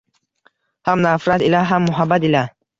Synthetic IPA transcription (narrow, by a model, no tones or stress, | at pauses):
hamnafɾat̪ilaɦamːʊɦabːat̪ila